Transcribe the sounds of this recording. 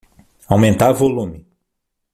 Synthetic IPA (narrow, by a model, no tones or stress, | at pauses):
awmẽnt̪aɾvolũmɪ